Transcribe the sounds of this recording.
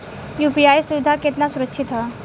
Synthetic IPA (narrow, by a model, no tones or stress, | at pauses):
jupiajsuʋɪd̪ʱaket̪nasuɾəkʃʰit̪ɦa